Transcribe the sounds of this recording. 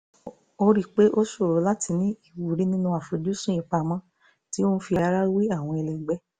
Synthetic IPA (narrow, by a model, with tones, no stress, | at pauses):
o˧ɾi˦˨k͡pe˦ʔo˦so˦˨ɾo˨˧˦la˦ti˧nĩ˦i˦˨wu˨ɾĩ˨˦nĩ˦nũ˧a˨fo˨˧d͡ʒu˦sũ˦ĩ˨˧˨k͡pa˧mã˦ | ti˦o˦fi˧a˨˧ɾa˧ɾa˦wi˦a˦˨w̃ɔ̃˧ɛ˧lɛ˨ɡ͡bɛ˦